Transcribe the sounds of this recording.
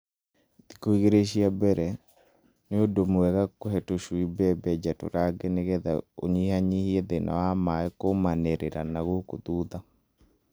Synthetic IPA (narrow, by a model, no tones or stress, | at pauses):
dikoiɣeɾeʃiabɛɾɛ | neodomwɛɣakohɛtoʃwibɛbɛd͡ʒato̰ɾaɡeneɣɛða̰o̰ɲihaɲihieðenʔa̰wamaɛkomaneɾeɾanaɣokoðuːða